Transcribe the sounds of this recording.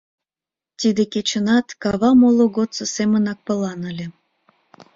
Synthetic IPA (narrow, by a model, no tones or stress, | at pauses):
t̪id̪eket͡ɕə̆nɑt̪kɑβɑmoloɣot̪t͡sosemə̆nɑk̚pə̆lɑnə̆lʲe